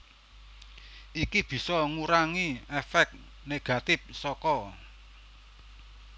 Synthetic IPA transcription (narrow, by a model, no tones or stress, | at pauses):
ʔikib̥i̤sɔŋuɾaŋiefɛk̪̚ | neɡ̥a̤t̪ɪp̚sɔkɔ